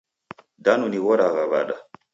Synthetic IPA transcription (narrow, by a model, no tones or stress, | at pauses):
danuniwɔɾaɣaβa̰ɗa